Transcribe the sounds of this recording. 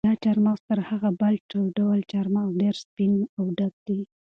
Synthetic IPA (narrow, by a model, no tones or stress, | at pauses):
ɑt͡ʃɑɾmɑwt̪əɾhaɣabalʈawɖawalt͡ʃɑɾmɑɖeɾspinawɖaɡ̚d̪̥i